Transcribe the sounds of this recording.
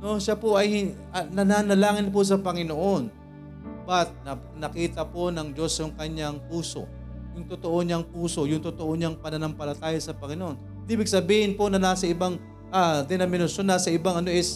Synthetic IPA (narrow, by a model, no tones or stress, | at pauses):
no̞ʃapoʔɐjhɪ | nɐnaːnɐlaːŋɪnp̬os̬ɐpɐŋɪnoʔo̞n | bɐt̪̚nɐ | nɐkiːt̪ɐpo̞nɐŋd͡ʒo̞sjʊŋkɐɲaŋpuːso̞̰ | jʊŋt̪ot̪o̞ʔo̞ɲaŋpuːso̞jʊŋt̪ot̪o̞ʔoɲaŋpɐnɐnɐmpɐlɐt̪aːjosɐpɐŋɪnoʔo̞n | d̪iːbɪɡ̚sɐbiːhɪnpo̞nɐnaːsɐɪbaŋ | ʔad̪ɛnɐmɪnɐʃo̞nːaːsɐʔɪbaŋɐno̞ʔɪs